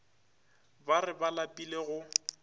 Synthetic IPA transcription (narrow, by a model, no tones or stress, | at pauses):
barɪbalapʼileɣʊ